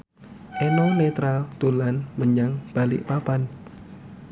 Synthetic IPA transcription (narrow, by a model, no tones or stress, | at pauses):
ʔenɔnet̪ɾad̪̥o̤lanməɲaŋb̥a̤lɪ̰ʔpapan